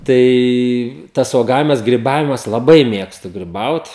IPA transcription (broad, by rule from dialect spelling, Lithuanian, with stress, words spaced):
ˈtɐɪ ˈtɐs uɔˈɡɑːʋʲɪmɐs ɡrʲɪˈbɑːʋʲɪmɐs lˠɐˈbɐɪ ˈmʲeːkstʊ ɡrʲɪˈbɐʊt